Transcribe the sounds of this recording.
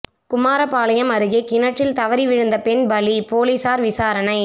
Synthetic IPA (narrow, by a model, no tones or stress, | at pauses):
kʊmaːɾɐpaːlɐjɐmɐɾɯɣekɪnɐʈrɪlt̪ɐʋɐɾiʋɪɻɯnd̪ɐpɛnbɐlipoːlisaːɾʋɪsaːɾɐnɐɪ